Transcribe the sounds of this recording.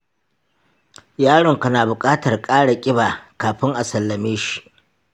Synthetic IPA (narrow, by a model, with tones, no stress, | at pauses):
jaː˦ɽɔ˨ŋka˨naː˨bʊ˨kʼaː˦tɐ˨rkʼaː˦ɽa˨kʲʼɪ˦baː˨kaː˨ɸɪ˦ŋʔa˨sɐ˨lːɐ˨meː˦ʃi̥˨ʔ